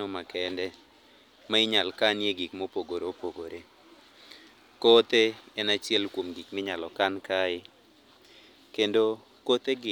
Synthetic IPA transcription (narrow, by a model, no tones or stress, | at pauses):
ɔmakɛndɛ | maɪɲalkanjeɡikmopoɡoɾopoɡoɾʔe | kot̪eɛnat͡ʃjɛlkwomɡikmɪɲalɔkankaɪ | kendo | kot̪eɡɪ